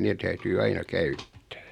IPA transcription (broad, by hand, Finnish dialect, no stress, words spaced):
neː tæytyː ɑinɑ kæytːæ̥ː